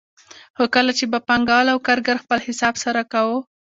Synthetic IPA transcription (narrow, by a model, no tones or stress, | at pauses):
xokəlat͡ʃebapaŋɡɑlawkaɾɡaɾxpəlhɪsɑbsaɾakawo